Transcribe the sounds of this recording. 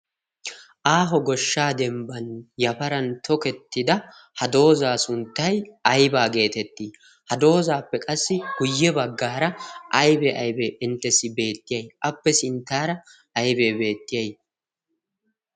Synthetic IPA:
ʔaːɦɔɡɔʃːaːd̪ɛmbɐnjɐfɐɾɐnt̪ʰɔkɛt̪ːɪd̪ɐ | hɐd̪o̞ːzaːsʊnt̪ːɐjɐjbaːɡe̞ːt̪ɛt̪ːiː | hɐd̪o̞ːzaːpːɛkʼɐsːɪɡ̥ʊjːɛbɐɡːaːɾɐʔɐjbɛʔɐjbɛʔɪnt̪ːɛsːɪbe̞ːt̪ːɪjɐjʔɐpːɛsɪnt̪ːaːɾɐ | ʔɐjbeːbe̞ːt̪ːɪjɐj

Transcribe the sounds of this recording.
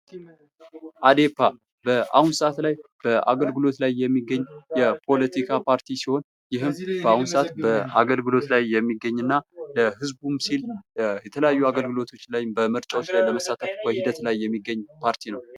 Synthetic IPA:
ʔad̪e̞pːa | bəʔahunsəʔat̪lajb̥əʔa̰ɡəlɡɨlo̞t̪lajːɛmːiɡːəɲːjɛpʰo̞lət̪ʰikʰapʰaɾt̪ʰisiho̞n | jɪɦɨmb̥əahunsəʔat̪bəaɡəlɡɨlo̞t̪lajːɛmːiɡːəɲːɨnːaləhɨzbumsiljɛt̪ʰələjajːuaɡəlɡɨlo̞t̪ʰo̞t͡ʃːlajbəməɾt͡ʃʼawot͡ʃːlajləməsat̪ʰəfbəhid̪ət̪lajːɛmːiɡːəɲːpʰaɾt̪ʰinəw

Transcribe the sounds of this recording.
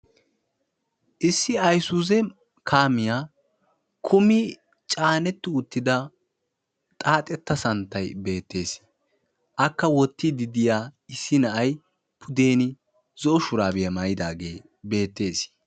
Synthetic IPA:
ʔɪsːɪɐjsuzɛ | kʰaːmɪjaː | kʰʊmɪ | t͡ʃʼaːnɛt̪ːɪʊt̪ːɪd̪ɐ | t̪ʼaːt̪ʼɛt̪ːɐsɐnt̪ːɐjbe̞ːt̪ːe̞ːs | ʔɐkːɐwɔt̪ːɪd̪ɪd̪ɪjaːɪsːɪnɐʔɐj | pʰʊd̪e̞ːnɪ | zɔɔʃʊɾaːbɪjɐmaːjɪd̪aːɡe̞̰ː | be̞ːt̪ːe̞ːs

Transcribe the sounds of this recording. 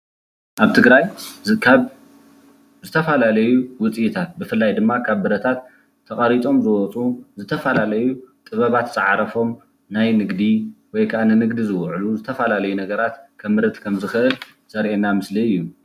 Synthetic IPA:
ʔaβt̪ʰɨɡɾajkʰaβ | zɨt̪ʰɐfalalɐjuwʊt͡sʼijit̪ʰat̪̚bɨfɨlːajd̪ɨmːakʰaβːɨɾɐt̪ʰat̪ʰː | ɐχʼɐɾit͡sʼo̞mzɨwɔt͡sʼuzɨt̪ʰɐfɐlalɐjut̪ʼɨβɐβat̪sɨʕaɾɐfo̞m | najnɨɡd̪iwɔjkʰaʔanɨnɨɡd̪izɨwʕluzɨt̪ʰɐfalalɐjunɐɡɐɾat̪kʰɐmːɨɾɨt̪ʼkʰɐmzɨxɨʔɨl | sɐɾʔenamɨsliɨjːu

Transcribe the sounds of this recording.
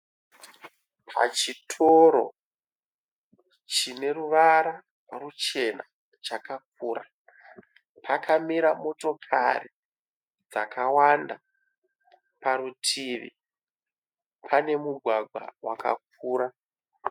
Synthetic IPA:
pʰa̰t͡ʃitʰoɾo̞̰ | t͡ʃine̞ruʋaɾa | rut͡ʃe̞na | t͡ʃakak̚uːɾa | pʰakamiɾamo̞to̞kʰa̰ri | d͡zakawanda | paɾutʰiʋḭ | pʰane̞muɡʱwaɡʱwa̰wa̰ka̰k̚uːɾa

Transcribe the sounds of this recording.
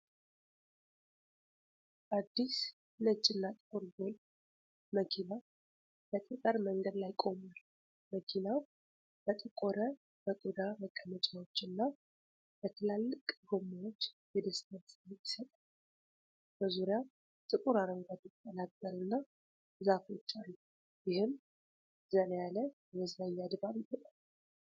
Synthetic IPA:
ad̪ːis | nət͡ʃʼːɪnːat̪ʼɨkʼuɾɡol | məkʰina | bət̪ʼət̪ʼəɾməŋɡəd̪lajkʼo̞mal | məkʰinaw | b̥ət̪ʼəkʼoɾə | bəkʼud̪aməkʼːəmət͡ʃʼawo̞t͡ʃːɪnːa | bət̪ʰəlalːɨkʼɡomːawot͡ʃːjɛd̪əst̪ʰənsʼɪt̪ːi̥sət̪ʼal | bəzuɾja | t̪ʼɨkʼuɾaɾəŋɡʷat̪ɪt̪ʼːənakʼːəlɨnːa | zafot͡ʃːalːu | jɪhɨm | zənjaləjɛməzajad̪baβjɪbəlʼal

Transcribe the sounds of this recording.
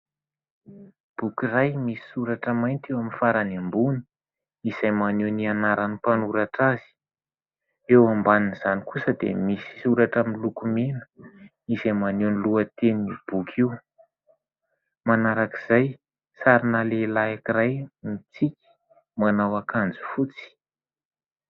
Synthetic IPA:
b̥ukirajmisi̥suɾaʈ͡ʂəmajnt̪ewaminfaɾanambuni̥ | izajmanewnianaɾanipanuɾaʈ͡ʂazi̥ | ewambaninz̥anikusəd̪ḛmisi̥suɾaʈ͡ʂaminlukumenə̥ | izajmanuwniluət̪enib̥ukʰiw | manaɾaki̥z̥aj | saɾinalelaakiɾajnit͡sikʲi̥ | manawakand͡zu̥fut͡si̥

